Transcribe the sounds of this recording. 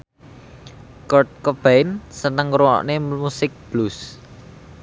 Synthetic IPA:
kɔrt̪̚kɔb̥aɪnsənəŋɾuɔ̰ʔneusɪk̚b̥lus

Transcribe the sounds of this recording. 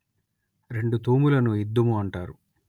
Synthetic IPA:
ɾe̞ɳɖut̪uːmulɐnuid̪ːɐmuɐɳʈaːɾu

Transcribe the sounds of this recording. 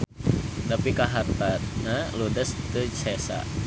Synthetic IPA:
t̪apikaɦart̪at̪̚naludəst̪ət͡ʃɛsa̰

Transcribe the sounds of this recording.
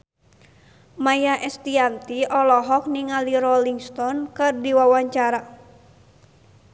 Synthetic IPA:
majaʔɛst̪iant̪iʔɔlɔɦɔk̚niŋaliɾɔliŋst̪ɔnkɨrdiwawaɲt͡ʃaɾa

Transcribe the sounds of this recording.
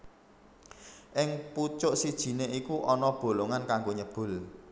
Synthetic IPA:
ʔɪŋput͡ʃʊʔsid̥ʒ̥i̤neʔikuʔɔnɔb̥o̤loŋankaŋɡoɲəb̥ʊ̤l

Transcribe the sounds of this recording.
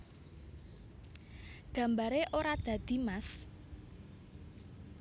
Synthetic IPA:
ɡ̥ä̤mbaɾeʔoɾad̪̥ä̤d̪̥i̤mas

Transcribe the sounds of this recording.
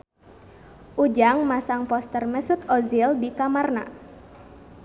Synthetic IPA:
ʔud͡ʒaŋmasaŋpɔst̪ərməsut̪ɔzildikamarna̰

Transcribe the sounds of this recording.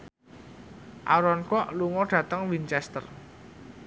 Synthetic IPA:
ʔa̰ɾɔnkɔʔluŋɔɖ̥ä̤t̪əŋwint͡ʃɛst̪ə̰r

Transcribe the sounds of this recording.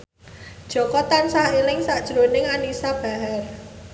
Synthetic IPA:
d̥ʒ̥ɔ̤kɔt̪ansahelɪŋsaʔd̥ʒ̥ɾonɪŋanisab̥a̤ɦɛr

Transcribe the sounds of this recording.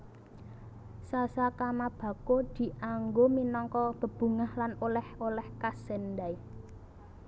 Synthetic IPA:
sasakamab̥ä̤kod̪̥i̤ʔaŋɡominɔŋkɔt̪ə̤b̥ṳŋahlanolɛholɛhkasɛndai

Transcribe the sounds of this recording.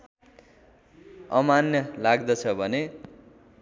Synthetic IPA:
ʌmanjʌlaɡd̪ʌt͡sʰʌbʱʌne

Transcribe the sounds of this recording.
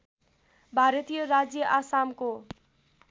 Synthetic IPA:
bʱaɾət̪ijəɾad͡zjəʔasamko

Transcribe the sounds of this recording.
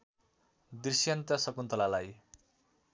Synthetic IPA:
d̪isjʌnt̪ʌsʌkunt̪ʌlalaj

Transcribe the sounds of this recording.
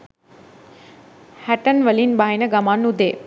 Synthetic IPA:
hɛʈənʋəliːnbaːɦinəɡɐmaːnːud̪eː

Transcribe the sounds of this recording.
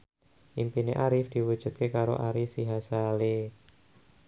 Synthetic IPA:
ʔimpineʔaɾɪfd̪̥iwu̥d͡ʒ̥ṳd̪̚kekaɾo̰ʔaɾɪfsiɦasale

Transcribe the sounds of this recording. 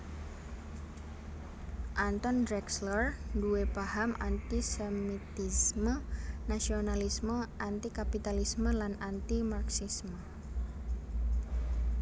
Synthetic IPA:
ʔant̪ɔndɾɛkslərduepahamʔant̪isemit̪ismənasionalisməʔant̪ikapit̪alisməlanant̪imarksismə

